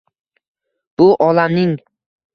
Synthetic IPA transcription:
b̥ʊʔɒlamnɪŋ

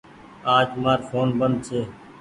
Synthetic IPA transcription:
aːd͡ʒmaːɾfoːnbənd̪̚t͡ʃʰeː

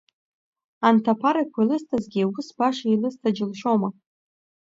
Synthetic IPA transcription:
antʰapʰaɾajkʷʰalɨstʰazɡʲiawʊsbaʂailɨstʰʼad͡ʒɪlʃo̞wma

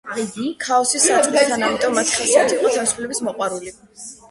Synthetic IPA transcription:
kʰaɔsisat͡ʃʼɛd̪anamit̪ʼɔmːat̪ʰi̥χasiat̪ʰiχʼɔt̪ʰavisupʰlɛbismɔqʼwaɾuli

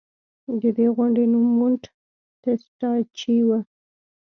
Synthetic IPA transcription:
d̪əd̪eɣʊɳɖenumːʊɳʈ | t̪esʈɑt͡ʃiwa

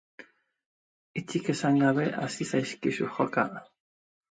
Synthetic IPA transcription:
it͡ʃikesaŋɡaβeʔa̰sisajskiʃuxoka

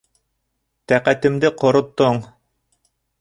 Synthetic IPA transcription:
t̪æqæt̪ɘ̆md̪ɘqŏɾŏt̪ːoɴ

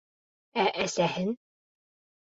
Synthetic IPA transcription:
æʔæsæhɘn

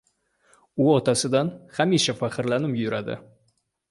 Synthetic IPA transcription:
ʊɒt̪ʰasɪd̪anχamiʃafaqʰɪɾlanɪmjʊɾad̪ɪ̰

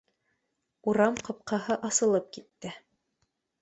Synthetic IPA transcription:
uɾɑmqɤ̆p̚qʰɑɦɤʔɑsɤ̆lˠɤp̚kit̪ːɘ

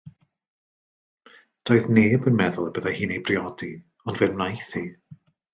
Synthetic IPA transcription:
d̥oːɨðneːbənmɛðʊlˠbəðahiːnejbriɔdi | ɔndvɪrmnajθi

